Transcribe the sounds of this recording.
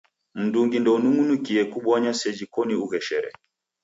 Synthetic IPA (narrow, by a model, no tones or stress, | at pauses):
m̩duŋɡindɔunuŋunukiɛkuɓɔɲasɛd͡ʒikɔniuɣɛʃɛɾɛ̰